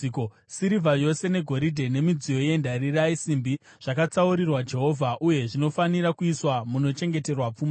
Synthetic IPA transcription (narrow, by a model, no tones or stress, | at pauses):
ko | siɾivʱajo̞se̞ne̞ɡʱo̞ɾidʱe̞ne̞mid͡zijo̞je̞ndaɾiraisimbi | ʐ̥akat͡sauɾirwad͡ʒe̞ɦo̞vʱaʔuje̞ʐino̞faniɾakuiswamuno̞t͡ʃe̞ŋɡe̞te̞rwap͡fuːma